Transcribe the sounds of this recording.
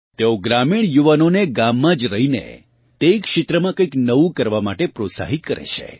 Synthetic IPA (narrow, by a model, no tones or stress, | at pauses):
t̪eoɡɾamiɽ̃juʋanoneɡamːãd͡ʒɾəɦinḛ | t̪ekʃɪt̪ɾəmãkəjknəʋũkəɾʋamaʈepɾosa̰ɦit̪̚kəɾḛt͡ʃʰḛ